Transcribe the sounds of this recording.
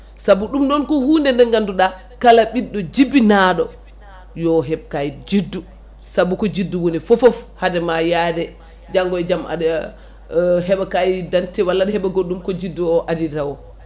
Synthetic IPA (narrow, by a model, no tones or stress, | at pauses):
sabuɗumnɔnkɔhuːndɛndɛŋɡanduɗa | kalaɓiɗːɔd͡ʒibinaɗɔ̰ | jɔɦɛb̚kajid͡ʒidːu | sabukɔd͡ʒidːuwunifɔfɔfhadɛmajadɛ | d͡ʒaŋɡɔɛd͡ʒama̰d | ɦɛɓakajidantɛwalːaɗɛhɛɓaɡoɗːumkɔd͡ʒidːuɔʔadidawɔ